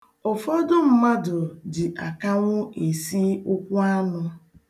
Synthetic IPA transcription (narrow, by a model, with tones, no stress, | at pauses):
ʊ˨fɔ˦dʊ˦m̩˦ma˦dʊ˨dɪ˨ʔa˨ka˦ŋʷʊ˦ʔe˨si˦ʊ˦kʷʊ˦a˦nʊ˦